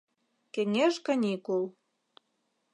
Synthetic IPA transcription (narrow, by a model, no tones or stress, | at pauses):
keŋeʃkɑnʲikul